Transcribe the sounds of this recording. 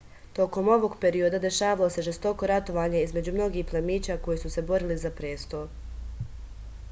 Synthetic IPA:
t̪o̞ko̞mo̞ʋo̞ɡpe̞ɾio̞d̪ad̪e̞ʃaːʋalose̞ʒe̞st̪o̞ko̞ɾat̪o̞ʋaːɲaizme̞d͡ʑumno̞ɡiːxplˠemiːt͡ɕako̞jisuse̞bo̞ɾilizapɾe̞ːst̪o̞

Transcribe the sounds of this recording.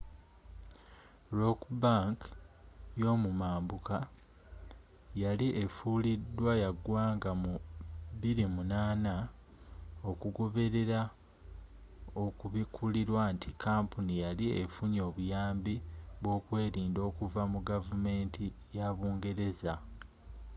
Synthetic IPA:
ɾo̞kbaŋk | jo̞ːmumaːmbuka | jaliʔefulidːwajaɡwaːŋɡamuβiɾimunaːna | o̞kuɡo̞βe̞ɾe̞ɾa | o̞kuβikʰuliɾwantʰikʰaːmpunijaliḛfuɲo̞ːβujaːmbiβwo̞ːkwe̞ːɾiːndo̞ːkuvamuɡavume̞ːntʰijaβuːŋɡe̞ɾe̞za

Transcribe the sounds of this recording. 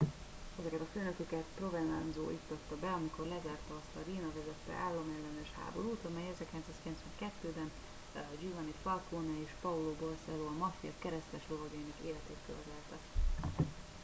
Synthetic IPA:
ɛzɛkɛt̪ɒføːnøkøkɛt̪pro̞vɛnlɑ̰nzo̰ːʔit̪ːot̪ːɒbɛɒmiko̞rlɛzaːrt̪ɒːst̪ɒɾiːnɒvɛzɛt̪ːɛ̰ʔaːlːomɛlːɛnɛʃha̰ːbo̞ɾuːt̪ɒmɛjɛzɛrkilɛnsaːskilɛnsʋɛŋkɛt̪ːøːbɛn | d͡ʒyvɒnifɒlkoːnɛeːʃpɒuloːbolsɛloːɒmɒfijɒkɛɾɛst̪ɛʃlovɒɡɒinɒkeːlɛt̪eːt̪køvɛt̪ɛlt̪ɛ

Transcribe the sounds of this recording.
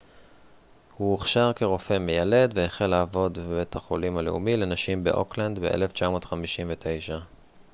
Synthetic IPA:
hueχʃaʁke̞ʁo̞fe̞mejale̞d̪vejeχelːaːvo̞d̪bebetaχo̞limaleumile̞naʃimbe̞̰ʔo̰kland̪bḛʔḛleft͡ʃamo̞ːtχamiʃimvetʰe̞jʃa

